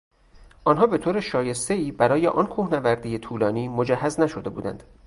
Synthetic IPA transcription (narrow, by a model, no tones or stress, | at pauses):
ʔɒːnɦɒːbe̞t̪ʰoːɾeʃɒːje̞st̪e̞iːbæɾɒːjeʔɒnkʰuːhnævæɾd̪ijet̪ʰuːlɒːniːmod͡ʒæhːæznæʃod̪e̞bṵːd̪æ̰nd̪̥